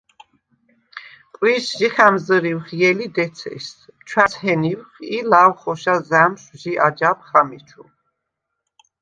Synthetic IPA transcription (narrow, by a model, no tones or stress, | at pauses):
pʼwiʃʒiχæmzəɾiwχjɛlid̪ɛt̪sʰɛ̰st͡ʃʰwashɛniwχilawχɔʃazæmʃʒiʔad͡ʒap̚ʰχamit͡ʃʰṵ